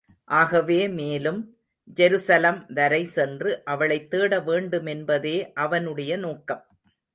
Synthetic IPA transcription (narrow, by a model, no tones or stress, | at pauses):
ʔaːɣɐʋeːmeːlɯm | d͡ʒɛɾɯsɐlɐmʋɐɾɐɪsɛndrɯʔɐʋɐɭɐɪt̪ːeːɽɐʋeːɳɖɯmɛnbɐðeːʔɐʋɐnɯɽɐjɐnoːkːɐm